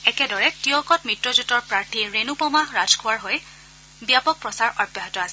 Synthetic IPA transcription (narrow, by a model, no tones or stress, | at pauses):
ɛkɛdɔɹɛtiɔkɔtmitɹɔzutɔɹpɹaɹtʰiɹenupɔmaɦɹad͡ʒkʰʊaɹɦoj | bjapɔk̚pɹɔsaɹɔbɔɦitɔasɛ